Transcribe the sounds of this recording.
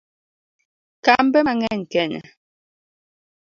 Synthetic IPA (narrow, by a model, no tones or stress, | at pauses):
kambɛŋɛŋ̩kɛnɛ̰